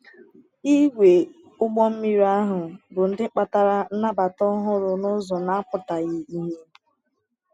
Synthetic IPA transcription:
i˦ɡʷe˨ | ʊ˦ɡ͡bɔ˦m̩˦mi˦ɾi˦a˦ɦʊ˨bʊ˨n̩˦dɪ˦k͡pa˦ta˦ɾa˦na˦ba˨tɔ˦ɦʊ˦ɾʊ˨nʊ˦zɔ˨na˦a˦pʊ˨ta˨ɣɪ˦i˦ɦe˦

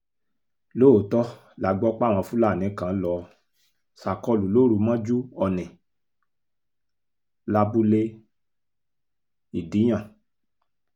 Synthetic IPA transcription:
lo˦o˨tɔ˦ | la˨ɡ͡bɔ˦k͡pa˦˨w̃ã˧fũ˦la˦˨nĩ˨˦kã˨˦lɔ˧ | sa˨kɔ˧lu˨lo˦˨ɾu˨˧˦mã˦d͡ʒu˦ɔ˧nɛ̃˨ | la˦bu˦le˦ | i˨di˨˦j̃ã˦˨

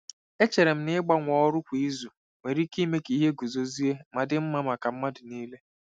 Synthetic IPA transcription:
e˦t͡ʃe˨ɾe˨m̩˦nɪ˦ɡ͡ba˦ŋʷɔ˨ɔ˦ɾʊ˦kʷi˦zu˨ | me˨ɾi˦ki˦me˦ki˨˦ɦe˦ɡu˨zo˨zi˦e˦ma˨dɪ˦m̩˦ma˦ma˨ka˨m̩˦ma˦dɪ˨niː˦le˦

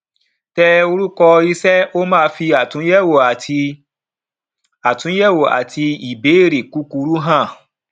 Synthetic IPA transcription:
tɛ˧o˧ɾu˦kɔ˧i˦sɛ˦o˦mãː˦˧fi˧a˨tũ˨˦ɛ˦˨wo˨a˨˧ | a˨tũ˨˦jɛ˦˨wo˨a̰˨tʰi˧i˨be˨˦e˦˨ɾe˨ku˨˦ku˧ɾu˦ɦã˦˨

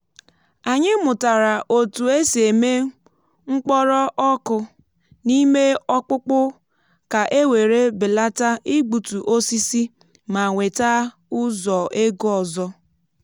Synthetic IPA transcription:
a˨ɲɪ˦mʊ˨ta˨ɾa˨ʔo˨tu˨e˦se˨me˦ | ŋ͡m̩˦k͡pɔ˦ɾɔ˦ʔɔ˦kʊ˦ | ni˦me˦ɔ˦k͡pʊ˦k͡pʊ˦ | ka˨ʔe˦we˨ɾe˦bɪ˨la˦ta˦i˦ɡ͡bu˨tu˨ʔo˦si˦si˦ | ma˨ŋʷe˨ta˦ | ʊ˦zɔ˨ʔe˦ɡɔ˨zɔ˦

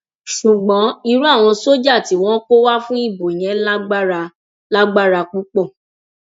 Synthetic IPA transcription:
ʃu˨ɡ͡bɔ̃˨˦i˧ɾu˦a˦˨w̃ɔ̃˧so˦d͡ʒa˦˨ti˨˦w̃ɔ̃˦ko˦wa˦fũ˦i˦˨bo˨j̃ɛ̃˨˦la˦ɡ͡ba˦ɾa˧ | la˦ɡ͡ba˦ɾa˧k͡pu˦k͡pɔ˦˨

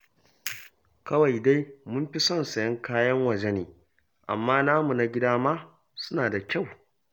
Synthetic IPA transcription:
kɐ˦wa˨jda˦jmʊ˦mɸi˦sɔ˦˨nsɐ˨jɐ˦ŋkaː˦jɐ˦ŋwɐ˨d͡ʒɛ˦neː˨ | ʔa̰˨mːaː˦naː˦mu˨na˦ɡʲɪ˦daː˦maː˦ | sʊ˦naː˨da˨kʲa˦˨w

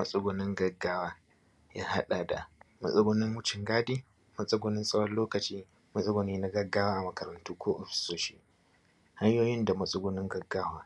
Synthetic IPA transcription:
mɐ˨sʼʊ˦ɡʊ˨nɪ˦ŋɡɐ˨ɡːaː˦waː˦ | jaː˦ha˦ɗa˨da̰˨mɐ̰˨sʼɐ˦ɡʷo˦nɪ˦ŋwʊ˦t͡ʃɪ˨ŋɡaː˦diː˦ | mɐ˦sʼɐ˦ɡʷo˦nɪ˦nsʼɐ˦wɐ˦loː˦kɐ˨t͡ʃiː˦ | mɐ˦sʼɐ˦ɡʷo˨niː˦na˦ɡɐ˦ɡːaː˦waː˦ʔa˨mɐ˨kɐ˨ɾɐ˨ntuː˦kʷoː˦ʔɔ˨ɸɪ̥˦soː˦ʃi̥ː˦ | ha˦jjoː˦jɪ˦nda˨mɐ˨sʼʊ˦ɡʊ˦nɪ˦ŋɡɐ˨ɡːaː˦waː˦

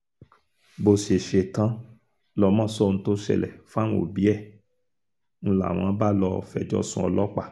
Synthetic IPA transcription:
bo˨se˨ʃe˨tã˦ | lɔ˧˦mã˦˨sɔ˦˨ñ̩˧˦to˦ʃɛ̰˧˨lɛ̰˨fa˦ñ˦o̰˨bi˨˦ɛ˦˨ | ñ̩˧˦la̰˨w̃ã˨˦ba˦lɔ˧fɛ˧˨d͡ʒɔ̰˦sũ˧ɔ̰˧lɔ˦k͡pa˦˨

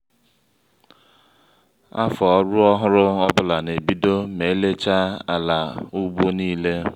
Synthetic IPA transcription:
a̰˦fɔ˨˦ɾʊ˦ɔ˦ɦʊ˦ɾʊ˦ɔ˦bʊ˦la˨ne˨bi˦do˦me˨˦le˦t͡ʃa˦a˨la˨u˦bo˦niː˦le˦

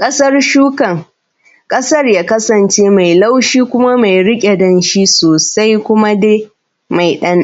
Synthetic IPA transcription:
kʼɐ˦sɐ˦rʃuː˦kɐ˨ŋ | kʼɐ˦sɐ˦rjaː˦kɐ˦sɐ˨nt͡ʃeː˦ma˨jla˦wʃiː˦kʷʊ˦ma˦ma˨jɽɪ˦kʲʼe˨dɐ˨nʃi˦soː˨sa˦jkʷʊ˦ma˦deː˦ | ma˨jɗɐ˦n

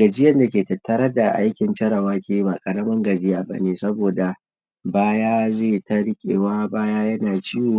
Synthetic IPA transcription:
ɡɐ˨d͡ʒɪ˦jɐ˦nda˨kʲeː˨tɐ˨tːɐ˦ɾɐ˦rda˨ʔa̰˦jkʲɪ˨nt͡ʃɐ˦ɾɐ˨waː˦kʲeː˦˨ji˦baː˨kʼɐ˨ɽɐ˦mɐ˦ŋɡɐ˨d͡ʒɪ˦jaː˨bɐ̰˦neː˨sɐ˦boː˨da˨ | baː˦jaː˦zeː˦˨tɐ˦ɽkʲʼḛː˨waː˦baː˦jaː˦jɐ˦naː˨t͡ʃi˦woː˨˦

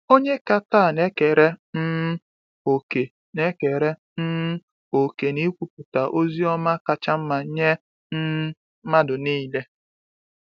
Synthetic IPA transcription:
o˦ɲe˦ka˦taː˦˨ne˦ke˨ɾe˦m̩˦ | o˨ke˨ | ne˦ke˨ɾe˦ | m̩˦m̩˦ | o˨ke˨ni˦kʷu˨pʊ˨ta˨ʔo˦zi˦ɔ˦ma˦ka˦t͡ʃa˦m̩˦ma˨˦ɲe˦ | m̩˦ | ma˦dʊ˨niː˦˨le˦

